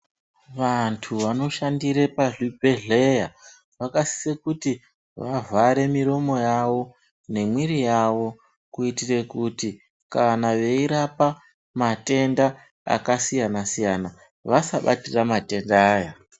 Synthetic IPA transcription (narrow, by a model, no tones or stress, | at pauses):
ʋantʰuʋano̞ʃandiɾepaɮibʱeɮeja | ʋakasi̥sekuti | ʋavʱaɾe̞miɾo̞mo̞jaʋo̞ | ne̞mwiɾijaʋo̞ | kuitire̞kuti | kanaʋe̞iɾapa | mate̞nda | a̰kasijanasijana | ʋasaɓa̰tiramate̞ndːja